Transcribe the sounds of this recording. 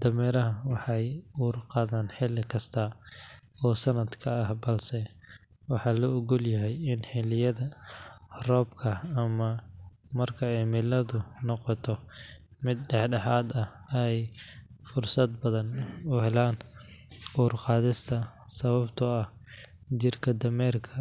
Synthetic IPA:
d̪̥ɐmɛːɾɐɦɐwɑħɑjuːrqɑːðaːnħɪlɪkʰɐst̪ʰɐ | ɔːsɐnɐd̪kʰɐːhbɐlsɛwɑħɑːlɔɔɣʊljɐɦɛjɪnħɪlɪjɐðɐ | rɔːbkʰɐɐmɐmɐrkʰɐɛjmɪlɐðʊnɔqɔt̪ʰɔmɪd̪̚ɖɛħɖɐħaːd̪ɐhɛjfʊrsɐd̪̚bɐðɐnʊhɛlaːn | uːrqɑːðɪst̪ʰɐ | sɐβɐbt̪ʰʊɐh | t͡ʃɪrkʰɐd̪ɐmɛːrkʰɐ

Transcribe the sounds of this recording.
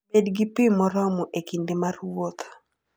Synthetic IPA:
bedɡipimɔɾɔmɔʔekindɪmarwot̪

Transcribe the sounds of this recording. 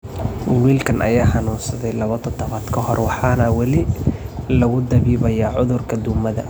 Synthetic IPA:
wiːlkʰɐnʔɐ̰jaːħɑnuːnsɐðɛjlɐβɐt̪ʰɔd̪ɔβaːd̪kʰɐhɔrwɑħɑːnɐwɑlɪ | lɐɣʊd̪ɐβiːβɐjɐʕʊðʊrkʰɐd̪ʊmɐðɐ̰

